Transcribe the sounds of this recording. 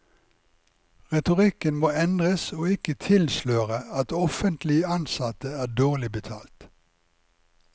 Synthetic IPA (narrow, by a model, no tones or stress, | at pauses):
ʁɛt̪ʊʁɪkənmoːɛnd̪ʁəsoːɪkət̪ʰɪlsløːʁəɑt̪ɔfənt̪lɪəɑnsɑt̪əæːɖoːʁlɪbət̪ʰɑ̰ːlt̪